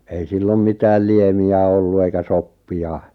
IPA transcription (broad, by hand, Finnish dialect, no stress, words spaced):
ei silːom mitæːl liemiæ olːu eikæ sopːiɑ